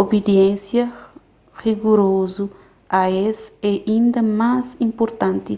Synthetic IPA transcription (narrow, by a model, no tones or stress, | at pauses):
obed̪jɛ̃nsjɐ | ʁiɡuɾozu | ɐesɛĩnd̪ɐmazĩmpoɾt̪ãnt̪i